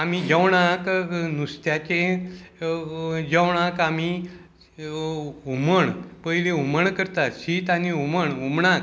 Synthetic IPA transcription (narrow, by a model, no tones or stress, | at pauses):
amid͡ʑəwɳ̃aknust̪jat͡ɕẽ | d͡ʑəwɳ̃ãkami | uməɳpəɦileuməɳkəɾt̪aɕit̪aniuməɳumɳãk